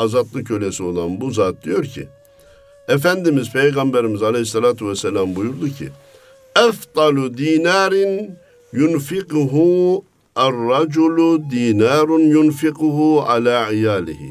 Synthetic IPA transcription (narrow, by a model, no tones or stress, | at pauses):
ɑzɑd̪lˠɯkʰːølesiod̪ˠɑnbuzaːt̪̚d̪ijo̞ɾcʰḭ | ɛfænd̪imizpʰejɡɑmbeɾimizɑlehisːɛlaːt̪ʰuvɛsːɛlaːmbujuɾd̪ucʰḭ | aft̪ˤɑlud̪iːnaːɾɪn | junfiquɦu | arːɑd͡ʒulud̪iːnaːɾʊnjunfiquɦua̰laːʕijaːlḭhḭ